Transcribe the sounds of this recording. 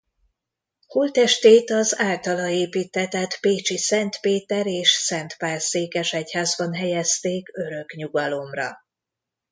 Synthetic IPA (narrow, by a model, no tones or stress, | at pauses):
huːlt̪ɛʃt̪eːt̪ɒzaːlt̪ɒlɒeːpiːt̪ːɛt̪ɛt̪peːt͡ʃisɛnt̪peːt̪ɛɾeːʃsɛnt̪paːrseːkɛʃɛchaːzbɒnɦɛjɛst̪eːkø̞ɾø̞kɲuɡɒlo̞mrɒ̰